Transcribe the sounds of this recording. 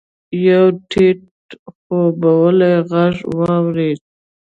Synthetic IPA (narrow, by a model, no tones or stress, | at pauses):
jawʈʰeʈ̚ | xobawəlajɣaʐwɑwɾed̪̚